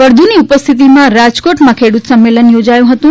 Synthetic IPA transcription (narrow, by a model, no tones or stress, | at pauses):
əɾd̪ʱuniupəst̪ʰit̪̬imãɾad͡ʒkoʈmãkʰeɽut̪səmːelənjod͡ʒajũɦət̪ũ